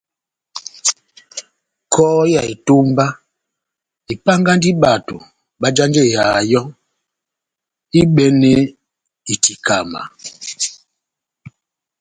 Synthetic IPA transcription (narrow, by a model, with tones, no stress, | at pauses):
kʰɔ˦ja˨i˨to˦mba˦ | i˨pa˦ŋɡa˦ndi˦ɓa˨to̰˨ | ɓa˦d͡ʒa˦nd͡ʒe˦˨ja˨jɔ˦ŋ | i˦ɓɛ˦nɛ˦ | i˨ti˨kʰa˨ma̰˨